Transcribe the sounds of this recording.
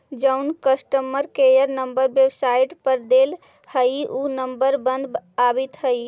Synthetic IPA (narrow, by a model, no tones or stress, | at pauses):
d͡ʒəʊnkəsʈəməɾkejəɾnəmbəɾbebsaiʈpəɾd̪el | həiunəmbəɾbə̃nd̪abit̪ɦəi